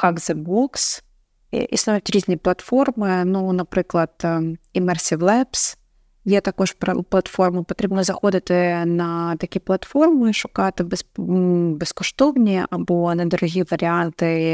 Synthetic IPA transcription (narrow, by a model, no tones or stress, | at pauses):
xaɡzɨbuks | ʔḭsnɐt̪ʲʒʲizʲnʲɪjəplˠɐt̪fo̞rmɨnunɐpɾɨklˠət̪ɪmɛrsʲɪvlˠɛps | jet̪ɐkojʐɨ̥pplˠɐt̪fo̞rmɨpɐt̪ɾʲebnʲˠəzɐxod̪ət̪ɨnɐt̪ɐkʲijəplˠɐt̪fo̞rmɨʂokat̪əbʲɪs | bʲɪskʊʂt̪ovnʲɪjə̰ʔɐbonɐd̪ɾʊɣʲijəvəɾʲɪant̪ɨ